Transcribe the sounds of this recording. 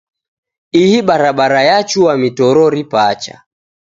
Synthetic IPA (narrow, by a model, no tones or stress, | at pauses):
ihiɓaɾaɓaɾajat͡ʃuwamitɔɾɔɾipat͡ʃa̰